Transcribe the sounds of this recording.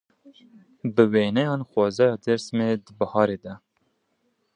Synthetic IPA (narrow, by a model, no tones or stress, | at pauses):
bɨweːnɛjɑːnxwɑːzɑːjɑːd̪ɛɾsmeːd̪ɨbɑhɑːɾeːd̪ɛ